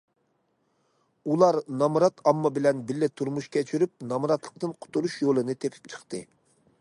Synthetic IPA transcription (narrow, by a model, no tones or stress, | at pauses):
ulˠɑɾnɑmɾɑt̪ʰɑmːɑbɪlɛnbɪlːɪt̪ʰuɾmuʃkʲɛt͡ʃʰyɾyp̚nɑmɾɑt̪lˠəq̚t̪ɨnqʰʊ̥t̪uɾuʃjolˠɨnɨt̪ʰepʰɪ̥p̚t͡ʃʰə̥χt̪ɨ